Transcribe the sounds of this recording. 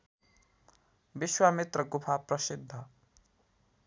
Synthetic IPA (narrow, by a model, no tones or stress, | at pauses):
biswamit̪rʌɡupʰaprʌsid̪ʱːʌ